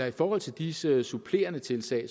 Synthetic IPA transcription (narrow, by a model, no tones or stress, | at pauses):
ɑ̈ifɒːhɒ̽l̰t͡sʰe̝ld̥isəsupʰle̝̰ːɐnət͡sʰe̝lsɛ̰ː